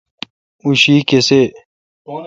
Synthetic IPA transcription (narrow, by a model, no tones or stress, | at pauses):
uɕiːkese